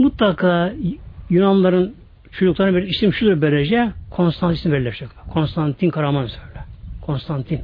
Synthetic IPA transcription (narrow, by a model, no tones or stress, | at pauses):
mut̪lˠakʰaː | junanlˠaɾɯn | t͡ʃʰod͡ʒuklˠaɾɯnbiɾisimʃud̪uɾbeɾed͡ʒɛkʰo̞nst̪ʰant̪ʰisinmbɛllːʲɛʃɛkt̪ˠakʰo̞nst̪ʰant̪ʰinkʰaɾamansølʲɛkʰo̞nst̪ʰant̪ʰin